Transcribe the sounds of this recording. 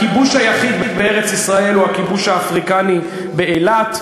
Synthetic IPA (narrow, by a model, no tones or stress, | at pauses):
kibuʃhajaχid̪bed̪beeʁet͡sisʁae̞luakibuʃhaːfʁikani | beelat̪